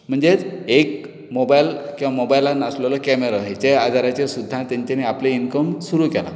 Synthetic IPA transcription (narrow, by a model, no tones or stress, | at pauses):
m̤əɳd͡zeek | mobajlkĩw̃ʋamobajlanəsləlɔkɛmeɾaɦet͡ɕead̪ʱaɾat͡ɕesud̪ʱːãt̪aɲt͡ɕeneapleinkəmsuɾukɛla̰